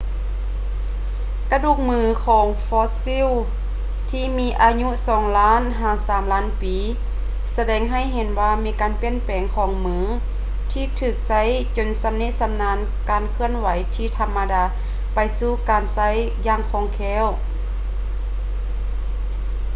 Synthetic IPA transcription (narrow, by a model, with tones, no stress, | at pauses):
ka˧duː˧˩k̚mɯː˧˩kʰɔː˨˦ŋfɔː˧˥si˧˥˨w | t̪ʰiː˧miː˧˥ʔaː˧ɲu˧˥˨sɔː˨˩˦ŋlaː˦˥˨nɦaː˨˩saː˨˩˦mlaː˦˥˨npiː˨˦ | sa˧dɛː˨˧˦ŋɦa˧˩jɦe˨˦nwaː˧miː˧˥kaː˨npi˧˥ə˨npɛː˨˦ŋkʰɔː˨˩˦ŋmɯː˧˥ | t̪ʰiː˧t̪ʰɯː˧˩k̚sa˧˥˨j | t͡ɕo˨˩nsa˧mni˧˥t̪̚sa˧mnaː˧˥n | kaː˨nkʰɯ˧ənwa˨˦jt̪ʰiː˧˨t̪ʰa˧mːa˧daː˨˧ | pa˨jsuː˧˦kaː˨nsa˧˥˨j | jaː˧ŋkʰɔː˧˩ŋkʰɛː˧˥˨w